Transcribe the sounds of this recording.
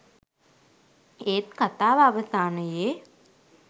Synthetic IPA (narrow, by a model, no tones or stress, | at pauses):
eːt̪kat̪aːʋaʋəsaːnəjeː